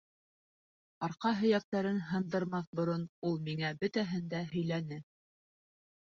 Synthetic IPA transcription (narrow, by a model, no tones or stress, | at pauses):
ɑɾqɑɦɵ̆jæk̚t̪æɾɘnɦɤ̆nd̪ɤ̆ɾmɑθbŏɾonulˠmiŋæbɵt̪æɦɘnd̪æhɵ̆jlænɘ